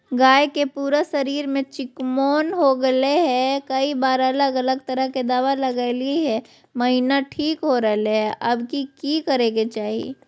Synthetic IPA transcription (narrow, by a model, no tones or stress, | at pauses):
ɡaːekepuːɾasɐɾiːɾmẽt͡ʃɪkmoːnɦoɡɐeɦɛkɐibaːɾələɡɐləɡt̪ɐɾəɦked̪aːʋalɐɡaːliɦɛː | mɐɦiːnaʈʰiːkɦoɾɐɦleɦɛʔɐbkikikɐɾẽːɡet͡ʃaːɦiḛ